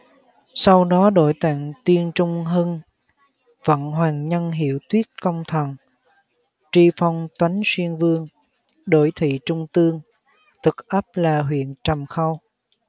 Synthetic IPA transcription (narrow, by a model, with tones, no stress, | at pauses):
sa˧wɗɔ˨˦ɗo̰˧˩˨jt̪a̰ː˧˨ŋt̪wi˧ənt͡ɕʊ˧ŋ͡mɦɨ˧n | və̰˧˥nɦwaː˨˩ŋɲə˧nɦi˧˩˨əwt̪wi˦˥ət̚kə˧wŋ͡mt̪ʰə˨˩n | t͡ɕi˧fa˧wŋ͡mt̪wa˨˦jŋswi˧ənvɨ˧əŋ | ɗo̰˧˩jt̪ʰḭ˧˨t͡ɕʊ˧ŋ͡mt̪ɨ˧əŋ | t̪ʰɨ˨˩k̚ʔə˦˥p̚laː˨˩ɦwḭ˧˨ənt͡ɕə˨˩mxa˧w